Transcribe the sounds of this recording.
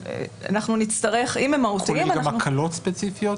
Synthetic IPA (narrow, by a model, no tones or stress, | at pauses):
a̰naχnunit͡stɐʁe̞χimemautiiimmanɡamakʰɐlotspet͡sifijot